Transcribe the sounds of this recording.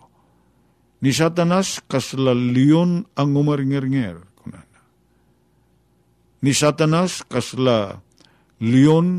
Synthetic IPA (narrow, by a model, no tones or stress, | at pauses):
nisat̪anaskaslalionaŋumarŋɛrŋɛrkuna̰na | nisat̪anaskasla | lion